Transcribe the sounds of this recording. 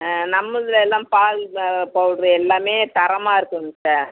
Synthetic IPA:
nɐmːɯðlɛlːãːpaːlpːoɽɾɯɛlːaːmeːt̪ɐɾɐmaːɪɾɯkːɯnsaːɾ

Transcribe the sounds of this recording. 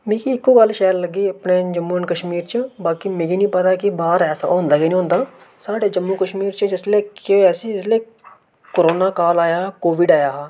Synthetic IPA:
mẽːkiɪkːoːɡəlʃɛːɾləɡːiːəpneːd͡ʒəmːuːənkəʃmiːɾt͡ʃəbaːkiːmẽːɡiːnĩːpət̪aːkɪbaːɾɛːsa̰õːnd̪aːkinĩːõːnd̪aː | saːɖeːd͡ʒəmːũːkəʃmiːɾt͡ʃəd͡ʒɪsleːkeːɛːsiːɪsleː | koɾoːnaːkaːlaːjaːkoːʋɪɖaːjaːɦɛː

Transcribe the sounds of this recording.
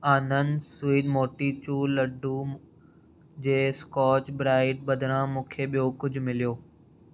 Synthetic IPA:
aːnənsʊiːd̪moːʈit͡ɕuːlɐɖʱu | d͡ʑeːskɔːt͡ɕbɾaːɪʈ̚ɓɐd̪ʱɽ̃ãmũːkʰeɓijokʊd͡ʑʱʊmɪlijoː

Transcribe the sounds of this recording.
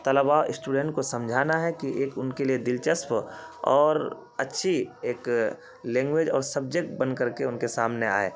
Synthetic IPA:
t̪əlbaoʔɪsʈuːɖẽɳʈkosɐ̃md͡ʒʱaːnaɦɛkiʔeːkʊnkelied̪ɪlt͡ʃəspɔːɾ | ɐtːʃʰieːk | lɛ̃ːŋɡweːd͡ʒɔːɾsəb̚d͡ʒek̚ʈ̚bə̃nd̪̚kəɾkeʊnkesaːmnea̰ːḛː

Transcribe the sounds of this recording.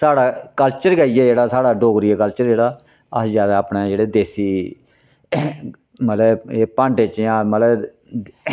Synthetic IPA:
saːɽaːkəlt͡ʃəɾɡaijɛːd͡ʒeːɽaːsaːɽaːɖoːɡɾiɛːkəlt͡ʃəɾd͡ʒeːɽaː | əsd͡ʒjaːd̪aːəpneːd͡ʒeːɽeːd̪eːsiː | mət̪ɛeːpãːɳʈet͡ʃjãːmət̪ə

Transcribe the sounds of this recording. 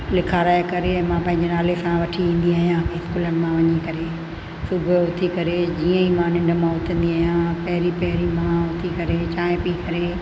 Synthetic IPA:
lɪkʰaɾaːekɐɾeɛ̃mãpɐ̃ɦɪ̃ɲ̆d͡ʑenaːlesãʋɐʈʰiʋĩːn̆d̪iaːɦijãkeɪskuːləñɪ̆mãʋɐɲikɐɾe | sʊbʱɦʊt̪ʰikɐɾed͡ʑiːə̃imãnɪ̃ɳɖmãɦʊt̪ʰə̃n̆d̪iaːɦijãpɐɦɪɾipɐɦɪɾimãɦʊt̪ʰikɐɾet͡ɕaːẽpikɐɾe

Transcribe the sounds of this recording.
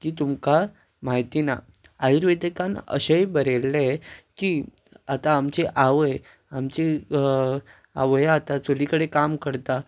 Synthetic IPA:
kiːt̪umka | maɦit̪ina̰ | ajuɾʋed̪əkanə̰ɕejbəɾelːekiː | at̪aːmt͡ɕeʔaʋəj | amt͡ɕi | aʋəjat̪at͡solikəɽekamkəɾt̪a

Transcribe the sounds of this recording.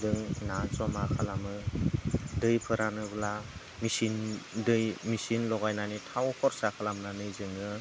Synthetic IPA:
dɯŋnat͡ʃɔmakʰalamɯ | dɯjpʰɯɾanɯbla | misindɯjmisinlɔɡajnanitʰawhʰɔɾsakʰalamnanɯjzɯŋɯ

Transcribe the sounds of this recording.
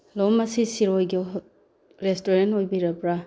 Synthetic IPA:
lomɐsisiɾojɡi | ɾestoɾentojbiɾɐpɾa

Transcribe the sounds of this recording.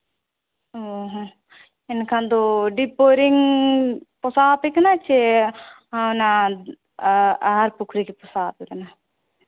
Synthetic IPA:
oɦo | inkʰand̪uɖipːoɾiŋ | pɔsaːpiknat͡ʃːe | ana | aːɾpukʰɾikipusaːpit̪ɐna

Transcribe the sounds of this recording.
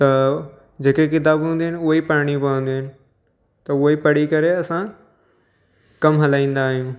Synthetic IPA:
t̪ɐ | d͡ʑeːkekɪt̪̬aːbɦũːnd̪iɦɪnɪ̆ʊɦipaːɽ̃ipɐə̃nd̪iɦɪnɪ̆ | t̪ɐʊɦipɐɽ̤ikɐɾeɐsã | kɐmɦɐlaːĩːn̆d̪aːɦijũː

